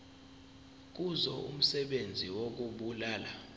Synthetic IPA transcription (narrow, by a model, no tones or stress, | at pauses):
k̬uzɔʔṵm̩sɛɓend͡zʱiwok̬uɓulaːla